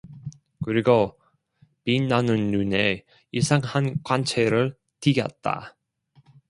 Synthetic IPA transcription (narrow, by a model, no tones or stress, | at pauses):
kɯɾiɡo | pinːanɯnːune | isʰaŋhankwant͡ɕʰeɾɯɭ | tiɡjʌ̰t̚t͈a̰